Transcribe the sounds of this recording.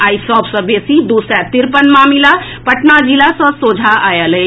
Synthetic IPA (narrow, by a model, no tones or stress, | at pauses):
aːjisɔbsə̃besid̪usɛt̪iɾpənmamila | pəʈnad͡ʒilasə̃sod͡ʒʱaajələ